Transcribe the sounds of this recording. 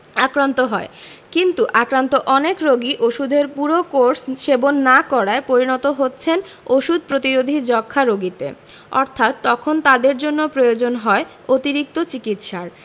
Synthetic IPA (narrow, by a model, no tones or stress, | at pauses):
akɾant̪oɦɔe | kint̪uʔakɾant̪oʔɔnekɾoɡiʔoʃud̪ʱeɾpuɾokoɾsʃebonːakɔɾaepoɾinɔt̪oɦotːɕʰen | oʃud̪̚ʱpɾot̪iɾod̪ʱid͡ʑɔkʰːaɾoɡit̪ḛ | ɔɾt̪ʰat̪ːɔkʰont̪ad̪eɾd͡ʑonːopɾojod͡ʑonɦɔe | ot̪iɾik̚t̪ot͡ɕikit̪ʃaɾ